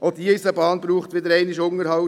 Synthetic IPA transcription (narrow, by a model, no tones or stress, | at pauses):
ʔod̪iɪsəbɑːnbɾuːχt̪ʋɪd̪əɾɛɪnɪʃʊŋəɾhɑʊ